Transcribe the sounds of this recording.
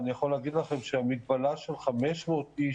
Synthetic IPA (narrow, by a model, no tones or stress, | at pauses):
nijaχo̞leːɡid̪laχe̞mʃeamit̪̚balaʃelχameʃmo̞t̪i